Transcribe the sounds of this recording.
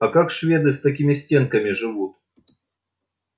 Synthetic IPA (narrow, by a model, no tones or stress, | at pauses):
ɐkakʂvʲe̞d̪ɨst̪ɐkʲimʲɪsʲtʲe̞nkɐmʲɪʐɨvut̪̚